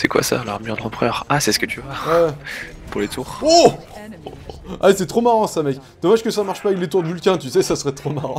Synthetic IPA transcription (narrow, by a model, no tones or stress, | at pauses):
sɛkwa̰sa̰laʁmyʁd̪ʁɑ̃pχœʁasɛsə̥kət̪ʰyvawɛ | puʁlet̪ʰuːʁo | asɛt̪χomaʁɑ̃samɛkd̪̥ɔmaʒkəsamaʁʃpaɛklet̪uʁd̪əvylkʲɛ̃t̪ysɛsasəʁɛt̪χomaʁɑ̃